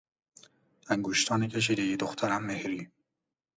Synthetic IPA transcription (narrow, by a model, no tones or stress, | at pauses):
æŋɡoʃt̪ʰɒːnecʰeʃ̬iːd̪ejid̪oxt̪ʰæɾæmːehɾiː